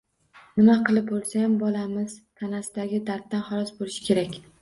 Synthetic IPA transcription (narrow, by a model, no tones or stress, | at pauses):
nɪmaqʰɨlˠɪpolˠsaambɒlamɪz̥t̪ʰanasɪd̪aɡʲɪd̪aɾt̪ːanχɒlˠɒsbolɪʃɪ̥kʲʰe̞ɾakʲ